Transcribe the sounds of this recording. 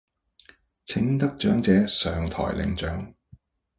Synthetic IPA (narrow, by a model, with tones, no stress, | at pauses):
t͡sʰɪ˨˥ŋt̪ɐ˥k̚t͡ʃœː˨˥ŋt͡sɛː˨˥sœː˨ŋt̪ʰɔ̰ː˨˩jlʔɪ̰˨˧ŋt͡ʃœː˨˥ŋ